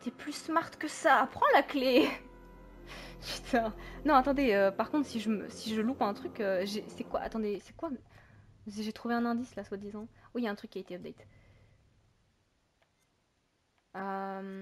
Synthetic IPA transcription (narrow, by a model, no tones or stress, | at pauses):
t̪ɛplysmaʁt̪kəsaːpχɑ̃lakle | pyt̪ʰãnɔ̃at̪ɑ̃d̪eøpaʁkɔ̃t̪χsiʒəmə̰siʒəlupɛ̃t̪χykʲøʒesɛkwa̰ʔa̰t̪ɑ̃d̪esɛ̥kwa | ʒet̪χuveɛ̃nɛ̃d̪islaswad̪izɑ̃wijaɛ̃t̪χykʲːiaet̪eɔp̚d̪ɛjt̪ | øm